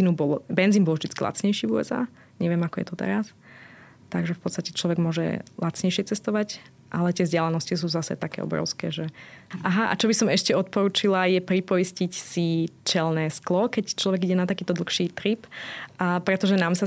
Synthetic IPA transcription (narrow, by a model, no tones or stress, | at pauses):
inubɔlbɛnd͡ziːnbɔlvʒd̪it͡skila̰t͡sɲɛjʃiːvuːɛ̰za̰ː | ɲɛʋɪɛmakɔjɛ̰t̪ɔt̪ɛ̰ɾas | t̪aɡʒɛfpɔtt͡sst̪acɛt͡ʃlɔʋɛɡmʊɔʒɛ̰lat͡sɲɛjʃɛt͡sɛst̪ɔʋac | ʔalɛt̪ɪɛvzɟɪalanɔscis̬uːzasɛ̰t̪akɛ̰ːɔ̰bɾɔ̰ʊskɛːʒɛʔaɦaʔa̰t͡ʃɔbisɔmɛʃcɛɔt̪̚pɔɾuːt͡ʃilajɛpɾipɔiscicsit͡ʃɛlnɛːsklɔkɛct͡ʃlɔʋɛɡiɟɛnat̪akiːt̪ɔd̪l̩xʃiːt̪ɾipː | pɾɛt̪ɔʒɛnaːmsa